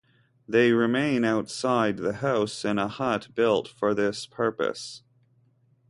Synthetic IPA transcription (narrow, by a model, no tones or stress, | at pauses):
ðeɪɹɨmẽɪ̃naʊtsaɪd̪̚ðɨhaʊsɨ̃nəhʌt̚b̥ɪlˠtfə˞ðɪspʰɜ˞pɨ̰s